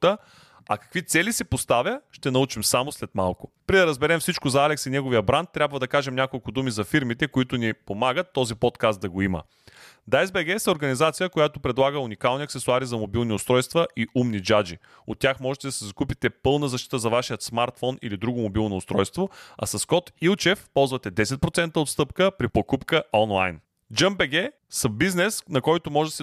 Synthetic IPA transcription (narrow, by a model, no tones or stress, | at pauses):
t̪ə | ɐ̰kɐ̥kvit̪sɛlisɛpost̪avjəʃt̪ɛnɐut͡ʃimsamoslɛt̪malˠkʊ̥ | pɾid̪ɐɾɐzbɛɾɛmfsit͡ʃkʊzɐalɛksinɛɡovijəbɾant̪ːɾʲabvɐd̪ɐkaʒɛmnʲakolˠkʊd̪umizɐfiɾmit̪ɛkoʊit̪ʊnipomaɡət̪ːɔzipɔt̪kast̪̚d̪ɐɡoimə̰ | d̪aɛzbɛɡɛsɐoɾɡɐnizat̪sijəkojat̪ʊpɾɛd̪lˠaɡəunikalˠniəɐktsɛsʊaɾizɐmobilˠniʊst̪ɾɔjst̪vɐʔiʔumnid͡ʒad͡ʒi | o̰t̪ːʲjaxmɔʒɛt̪ɛd̪ɐsɛzɐkupit̪ɛpɤlˠnəzɐʃt̪i̥t̪əzɐvaʃijət̪smaɾt̪fɔnḭlid̪ɾuɡʊmobilˠnoːst̪ɾɔjst̪voɐ̰sɐskɔt̪ilˠt͡ʃɛfpɔlˠzvɐt̪ɛd̪ɛsɛt̪̚pɾot̪sɛnt̪əot̪st̪ɤpkəpɾipokupkəʔɔnlˠa̰jn | d͡ʒəmbɛɡɛ | səbiznɛsnɐkɔjt̪ʊmɔʒɛd̪sɛ